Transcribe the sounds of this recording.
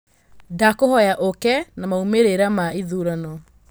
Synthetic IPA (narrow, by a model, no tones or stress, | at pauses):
dakohɔjaʔokɛnamaumeɾeɾamaiðuɾanɔ